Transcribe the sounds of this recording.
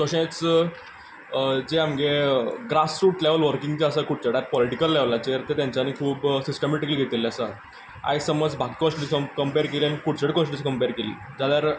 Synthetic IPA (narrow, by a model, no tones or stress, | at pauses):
sɔɕẽt͡s | d͡zeamɡeɡɾasfuːʈleʋəlʋəɾkĩŋɡt͡ɕeəsakuɽ̚t͡səɽjaɾpɔliʈikəlːeʋlat͡ɕeɾt̪et̪jãɲt͡ɕanikʰuːpsisʈəmeʈikəliɡʱet̪ileasa | a̰jsəməd͡zbʱaɡkɔ̃sʈiʈisəkəmpeɾkelianikuɽt͡səɽikɔ̃sʈiskəmpeɾkelḭ | d͡zad̪jaɾ